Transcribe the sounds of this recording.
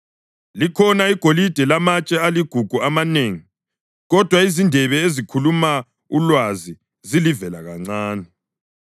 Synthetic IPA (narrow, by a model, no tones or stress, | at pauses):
likʰɔnaiɡ̥ʱolid̥ʱɛlamat͡ʃʼɛaliɡ̥ʱuɡ̥ʱuamaneːŋi | ɣɔd̥ʱwaizindʱɛβɛezikʰuluma | ulwazi | zilivɛlaɣaŋ͡ǀaːnɛ